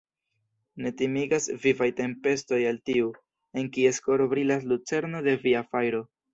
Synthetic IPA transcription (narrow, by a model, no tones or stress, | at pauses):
ne̞timiɡasvivajte̞mpe̞sto̞jaltiu | e̞ŋkie̞sko̞ɾbɾilas̬lut͡se̞ɾno̞de̞viafajɾo̞